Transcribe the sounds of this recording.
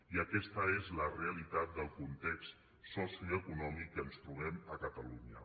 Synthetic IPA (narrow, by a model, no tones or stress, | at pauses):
iəkɛst̪əezləreəlit̪at̪̚d̪əlˠkunt̪ɛkst̪ | sɔsiuuəkunɔmikːənst̪ɾuβɛməkət̪əluɲə̰